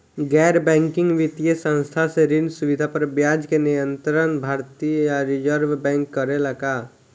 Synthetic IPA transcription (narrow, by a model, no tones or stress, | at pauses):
ɡɛːɾbɛ̃ːŋkɪ̃ŋɡʋɪt̪ijəsə̃nst̪ʰaseɾɪnsʊʋɪd̪ʱapəɾbjaːd͡ʒkenɪjə̃nt̪ɾənbʱaːɾt̪iəjaɾɪd͡ʒəɾʋbɛ̃ːŋkːəɾeləɡaː